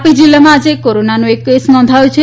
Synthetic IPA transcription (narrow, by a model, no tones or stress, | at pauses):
pid͡ʒilːamãːd͡ʒekoɾonanoekːesnɔ̃nd̪ʱaot͡ʃʰe